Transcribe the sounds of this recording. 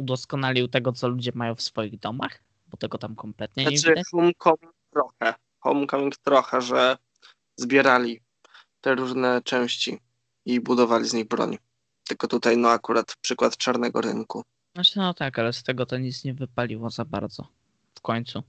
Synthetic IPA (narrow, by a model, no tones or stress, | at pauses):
ud̪ɔskɔnalʲiwt̪ɛɡɔt̪sɔlud͡ʑɛmajɔ̃w̃fsfɔjiɣd̪ɔmax | bɔt̪ɛɡɔt̪amkɔmplɛt̪̚ɲɛɲaɲɛvidaɔmkɔmʲik̚t̪ɾɔxɛ | xɔmkɔmʲiŋkt̪ɾɔxɛʐɛ | zbʲjɛɾalʲi | t̪ɛɾuʐnɛt͡ʂɛw̃ɕt͡ɕi | ibud̪ɔvalʲizɲiɣbɾɔ̰ɲ | t̪ɘlkɔt̪ut̪ajnɔakuɾat̪pʂɘkwat̪t͡ʂaɾnɛɡɔɾɘ̰ŋku | nat͡ʂɛnɔt̪akalɛst̪ɛɡɔt̪ɔɲit̪sɲɛvɘpalʲiwɔzaba̰ɾd̪zɔ̰ | fkɔɲt̪su